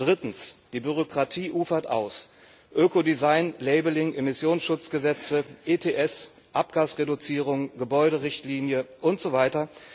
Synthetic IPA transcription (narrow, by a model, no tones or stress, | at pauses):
d̥ʁɪtn̩sd̥iːbyʁ̞okʁ̥atʰiːʔuːfɐtʔa̰ʊs | ʔøːkodizaɪnlɛɪbəlɪŋʔemɪsjoːnsʃʊt͡sɡ̥əzɛt͡səʔeːtʰeːʔɛs | ʔap̚ɡ̥aːsʁedʊt͡siːʁ̞ʊŋɡəbɔʏɾəʁɪçtliːnjəʔʊntz̥ovaɪtɐ